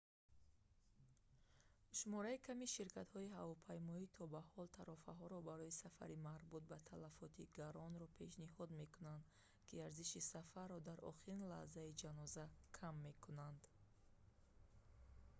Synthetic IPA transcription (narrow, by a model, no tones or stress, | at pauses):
ʃumɔɾaikʰamiʃiɾkʰat̪hɔiɦavɔpʰajmɔit̪ʰɔbahɔlt̪ʰaɾɔfaɦɔɾɔbaɾɔisafa̰ɾimaɾbut̪̚bat̪ʰalafɔt̪ʰiɡaɾɔnɾɔpʰe̞ʃnihɔd̪me̞kunand̪ | kʰiaɾziʃisafarːɔd̪aɾʔɔ̰χiɾinla̰hzaid͡ʒanɔzakʰamːe̞kʰunand̪